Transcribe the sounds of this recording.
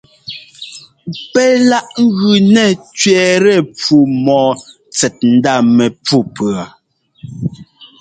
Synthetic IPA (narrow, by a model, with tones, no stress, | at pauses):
pɛ˦la˦ʔŋ̩˦ɣʉ˨nɛ˦˨t͡ʃɥɛː˨ɾɛ˦˨pu˨mɔː˨ | t͡sɛ˨t̚n̩˦da˦˨mɛ˨pu˦˨pɰa˨